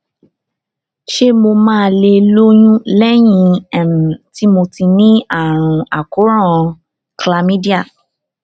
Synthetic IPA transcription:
ʃe˦mo˧mãː˦˧le˧lo˦jũ˦lɛ˦j̃ĩ˧ɛ˦˨m̩˨ti˦mo˧ti˧nĩ˦a˦˨ɾ̃ũ˧a˨ko˨˦ɾ̃ã˦˨˧ | kla˧mĩ˦di˦a˦˨

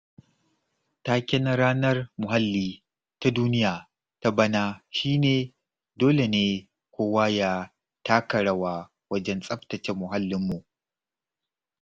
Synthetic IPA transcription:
ta˦kʲɪ˦nɐ˦ɾaː˦nɐ˦rmʊ˨ɦa˦lːiː˦ | ta˦duː˦nɪ˦jaː˨ | ta˦bɐ˦naː˦ʃiː˦neː˨ | doː˦le˨neː˦ | kʷoː˦wa˦ja˦ | taː˦kɐ˨ɽɐ˦waː˦ | wɐ˦d͡ʒɛ˦nsʼɐ˦ɸtɐ˨t͡ʃe˨mʊ˨ɦa˦lːɪ˦mːu˨ʔ

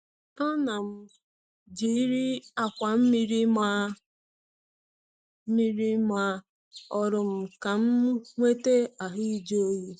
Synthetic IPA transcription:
a˦na˨m̩˦ | d͡ʒi˨˦ɾi˦a˨kʷa˨m̩˦mi˦ɾi˦ma˦ | mi˦ɾi˦ma˨˦ | ɔ˨ɾʊ˨m̩˨ka˨m̩˦ŋʷe˦te˦a˨ɦi˦d͡ʒo˦ji˦

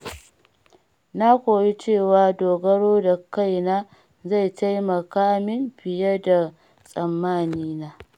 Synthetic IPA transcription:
na˦kʷoː˨ji˦t͡ʃeː˦˨waː˨doː˨ɡɐ˦ɽoː˦da˨ka˦jnaː˦ | za˦˨jta˦jmɐ˨kaː˦mɪ˦mɸɪ˨jɐ˦da˨ | sʼɐ˨mːaː˦˨niː˦naː˦

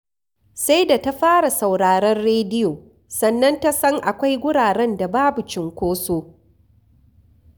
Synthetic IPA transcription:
sa˦jda˨ta˦ɸaː˦ɽa˨sa˨wɽaː˨ɾɐ˦nɽeː˦dɪ˦joː˨ | sɐ˨nːɐ˦nta˦sɐ˦ŋʔa˨kʷa˦jɡʷʊ˦ɽaː˨ɽɛ˦nda˨baː˦bu˨t͡ʃɪ˨ŋkʷoː˦soː˦

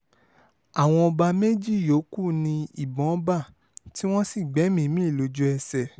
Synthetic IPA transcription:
a˨w̃ɔ̃˧ɔ˧ba˧me˦d͡ʒi˦˨jo˨˦ku˦˨nĩ˧i˨bɔ̃˨˦ba˦˨ | ti˦w̃ɔ̃˦si˦˨ɡ͡bɛ˨˦mĩ˧˦mĩ˦i˦˨lo˨˧d͡ʒu˦ɛ˧sɛ˨

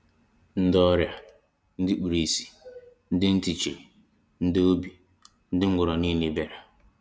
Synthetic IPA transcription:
n̩˦dɔ˦ɾja˨ | n̩˦dɪ˦k͡pi˨ɾi˨si̥˨n̩˦dɪ˦n̩˦ti˨t͡ʃḛ˨ | n̩˦dɪ˦o˦bi˨ | n̩˦dɪ˦ŋ̩˦ɡʷʊ˨ɾɔ˨ni˦ni˨be˨ɾa˨

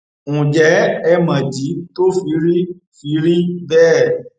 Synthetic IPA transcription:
ũ˨d͡ʒɛ˨˦ɛ˧mã˨d͡ʒi˨˦to˦fi˧˦ɾi˦ | fi˨˧˦ɾi˦bɛː˦˨

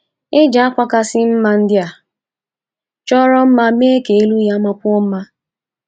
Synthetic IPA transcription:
ɪ˦d͡ʒa˨˦a˦kʷa˦ka˦sɪ˦m̩˦ma˦n̩˦dɪ˦a˨ | t͡ʃɔ˦ɾɔ˦m̩˦ma˦me˦ke˨e˦lu˦ja˦ma˦kʷo˦m̩˦ma˦

